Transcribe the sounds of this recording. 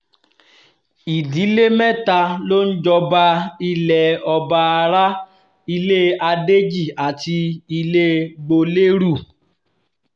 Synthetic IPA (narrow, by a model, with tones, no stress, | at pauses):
i˨di˨˦le˦mɛ˦ta˧lo˦n̩˦d͡ʒɔ˧ba˧i˧lɛ˨ɔ˧ba˧a˧ɾa˦ | i˧le˦a˧de˦d͡ʒi˦˨a˨ti˧i˧le˦ɡ͡bo˧le˦ɾu˦˨